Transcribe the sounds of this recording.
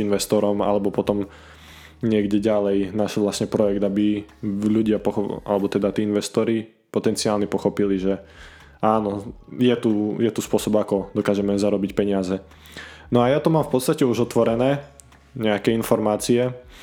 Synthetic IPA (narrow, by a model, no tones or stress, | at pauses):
inʋɛst̪ɔɾɔma̰lɛbɔpɔt̪ɔm | ɲɪɛɡɟɛɟalɛjnaʃɛlʋlasɲɛpɾɔjɛɡd̪abiʎuɟɪapɔxɔa̰lɛbɔt̪ɛd̪at̪iːinʋɛst̪ɔɾi | pɔt̪ɛnt͡siaːlɲɛpɔxɔpiliʒɛ | aːnɔjɛt̪ujɛt̪uspʊɔsɔbakɔd̪ɔkaːʒɛmɛzaɾɔbicpɛɲɪazɛ | nɔajat̪ɔmaːmfpɔt̪t͡sst̪acɛuʒɔt̪ʋɔɾɛnɛː | ɲɛakɛinfɔɾmaːt͡siɛ